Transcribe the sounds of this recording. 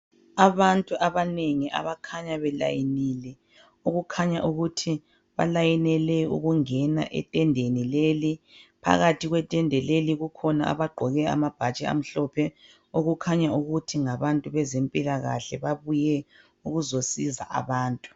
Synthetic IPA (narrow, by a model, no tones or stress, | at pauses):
aβantʼuʔaβaneŋiʔa̰βakʰaɲaβɛla̰jinilɛ | uɣukʰaɲaʔuɣutʰi | βa̰lajinɛlɛṵɣuŋɛna̰ʔɛ̰tʼɛndʱenilelipʰa̰ɣatʰiɣwɛtʼɛndʱɛleliɣukʰɔnaa̰βaɡ͡ǃʱɔɣɛa̰mab̥ʱat͡ʃʼɛa̰m̩ɬɔpʰɛ | oɣukʰaɲauɣutʰiŋaβantʼuβɛzempʼilaɣa̰ɬɛβaβujɛ | uɣuzosiza̰ʔa̰βaːntʼu̥